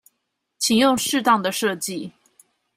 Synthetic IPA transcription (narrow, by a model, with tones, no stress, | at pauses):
t͡ɕʰi˨˩ŋjʊ˥˧ŋʂɻ̩˥˧t̪ɑ˥˩ŋd̪ə˩ʂɤ˥˧t͡ɕi˥˨